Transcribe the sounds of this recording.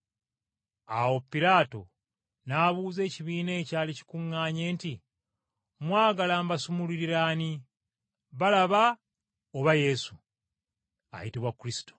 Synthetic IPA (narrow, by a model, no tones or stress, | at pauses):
a̰wo̞pːiɾaːto̞̰ | naβuːze̞ːciβiːne̞ːcaːlici̥kuŋːaːɲe̞ːnti | mwaːɡalaːmbasumuliɾiɾani | βalaβa | oβaje̞su | a̰jitiβwakːuɾisi̥to